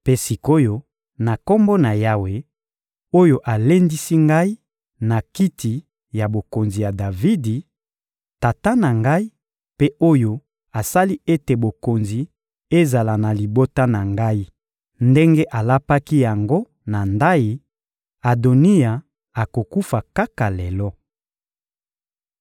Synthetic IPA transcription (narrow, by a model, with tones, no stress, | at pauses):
pe˦si˨ko˦jo˦ | na˨ko˦mbo˦na˨ja˦we˨ | o˦jo˦ʔa˨le˦ndi˦si˦ŋɡa˦i˦ | na˨ki˦tʰi˨ | ja˨bo˨ko˨nzi˨ja˨da˨vi˦di˨ | ta˨ta˦na˨ŋɡa˦i˦ | pe˦ʔo˦jo˦ | a˨sa˦li˦e˦te˨bo˨ko˨nzi˨ | e˦za˨la˨na˨li˨bo˦ta˦na˨ŋɡa˦i˦ | nde˦ŋɡe˦ʔa˨la˦pa˦ki˦ja˨ŋɡo˦ | na˨nda˦ji˨ | a˨do˨ni˦ja˨ | a˨ko˨ku˦fa˨ka˦ka˨lɛ˨lɔ˦